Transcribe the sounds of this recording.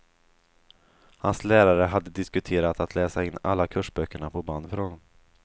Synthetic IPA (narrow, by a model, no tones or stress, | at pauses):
hanslæːɾaɾəɦad̪ːəd̪ɪskɵt̪ʰeːɾat̪at̪ʰlɛːsaɪnːa̰lːakʰɵʂbœkːəɳapʰɔbɑːnfœɾhɔnːɔm